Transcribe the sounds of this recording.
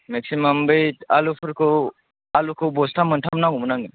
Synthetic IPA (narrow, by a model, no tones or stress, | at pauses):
mɛksimambəjalupʰəɾkʰɔ | alukʰobɔst̪ʰamənʈʰamnaɡumənaŋɡə